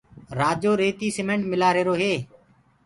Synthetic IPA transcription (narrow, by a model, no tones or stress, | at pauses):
ɾaːd͡ʒoːɾeːt̪iːsɪmẽːɳʈmɪlaːɾeːɾoːɦeː